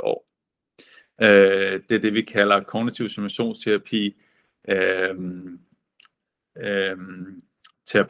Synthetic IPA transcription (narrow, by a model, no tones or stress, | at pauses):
ɒ̰ː | ød̥e̝æɐd̥e̝ʋikʰælɐkʰɒɡnit͡sʰiʊ̰simæɕo̝̰ːnst͡sʰeʁɑpʰḭː | m | t͡sʰe̝ɑpʰ